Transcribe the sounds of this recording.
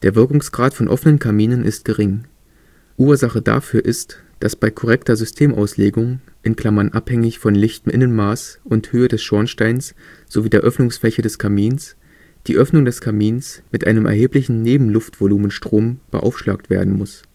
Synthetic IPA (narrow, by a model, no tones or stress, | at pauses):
d̥eːɐvɪɐkʊŋsɡ̥ʁaːtfɔnʔɔ̰fənənkʰaɐmiːnənʔɪ̰st̚ɡ̥əʁɪŋ | ʔuːɐzaχəda̰fyːɐʔɪst | d̥asb̥aɪkʰɔʁ̞ɛktɐzʏstʰeːmʔa̰ʊsleːɡʊŋ | ʔɪnkl̥amɐnʔaphɛŋɪçfɔnlɪçtm̩ʔɪnənmaːsʊnthøːədɛsʃɔɐnʃtaɪnsz̥oviːdeːɐʔœfnʊŋsflɛçədɛskʰamiːns | d̥iːʔœfnʊŋdɛskʰamiːnsmɪtʔa̰ɪnəmʔɛ̰ɐɦeːplɪçn̩neːbm̩lʊftv̥oluːmənʃtʁ̥oːmb̥ə̰ʔa̰ʊfʃla̰ːk̚tv̥ḛːɐdn̩mʊs